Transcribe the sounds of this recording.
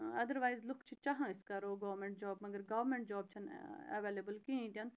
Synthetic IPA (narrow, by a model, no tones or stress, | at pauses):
ɐd̪əɾʋaːɪzlʊkʰt͡ʃʰit͡ʃɐɦãɪskɐɾoːɡɐːʋɾmẽɳʈ̚d͡ʒɔːbmɐɡəɾɡɐʋɾmẽɳʈ̚d͡ʒɔːb̚t͡ʃʰɐnɐ̰ʋeːlebəlkiĩt̪ʲɐn